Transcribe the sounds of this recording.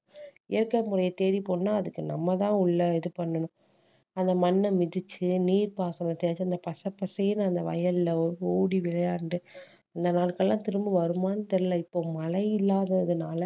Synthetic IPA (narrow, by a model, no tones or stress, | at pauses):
ɪjɐɾkːɐmʊrɐjɐt̪eːɽipoːnːaːɐðɯkːɯnɐmːɐt̪ãːʊɭːɐɛðɯpɐɳːɐɳʊ̃ | ɐnd̪ɐmɐnːɐmɪðɪt͡ʃːɯniːɾpaːsɐnɐt̪eːɾt͡ʃːɯɐnd̪ɐpɐsɐpːɐsɐjɪnɐnd̪ɐʋɐ̰jɐlɪlɐɔɾɯoːɽiʋɪlɐjaːɳɖɯ | ɐnd̪ɐnaːɭkɐɭːãːt̪ɪɾɯmbɯʋɐɾɯmaːnɯt̪ɛɾɯlɐɪpːoːmɐlɐjɪlːaːðɐɪðɯnaːlɐ